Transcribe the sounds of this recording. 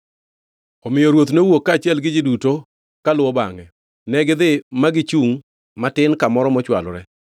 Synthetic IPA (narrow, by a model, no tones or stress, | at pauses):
ɔmɪjɔɾwot̪nowokːaːt͡ʃɪɛlɡɪd͡ʒɪduto | kalʊwɔba̰ŋɛ | nɛɡɪd̪ɪmaɡɪt͡ʃuŋ | matɪnkamɔɾɔmɔt͡ʃwa̰lɔɾɛ